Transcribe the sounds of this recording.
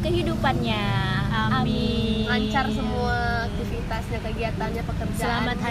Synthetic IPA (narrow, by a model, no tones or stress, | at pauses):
kəɦidupanɲaəammiŋaɲt͡ʃarsəmuaːk̚t̪ifit̪asɲakəɡiat̪anɲapəkərd͡ʒsaəamat̪̚ha